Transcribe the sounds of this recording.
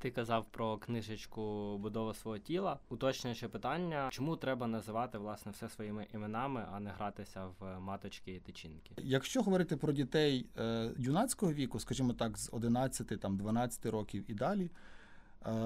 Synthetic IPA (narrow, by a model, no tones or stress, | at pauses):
t̪ɪkɐzɑwpɾɔknɪʒɪt͡ʃkʊbʊd̪ɔʋʊsʋɔɦɔtʲilˠɐʊt̪ɔt͡ʃnʲʃɛpɪt̪ɑnʲːɐt͡ʃɔmut̪ɾɛbɐnɐzɪʋɑt̪ɪʋlˠɑsnɛwsɛsʋɔjimɪʔimenɑmɪʔɐnɛɦɾɑt̪ɪsʲɐwmɑt̪ɔt͡ʃkʲijit̪ɪt͡ʃinkʲɪjɐkʃt͡ʃɔɦɔʋɔɾɪt̪ɪpɾɔdʲit̪ɛjjʲunɑt͡sʲkɔɦɔʋʲikʊskɐʒimɔt̪ɑkzɔd̪ɪnɑt͡sʲːɐt̪ɪt̪ɑmd̪ʋɐnɑt͡sʲːɐ̥t̪ɪɾɔkʲiwid̪ɑlʲi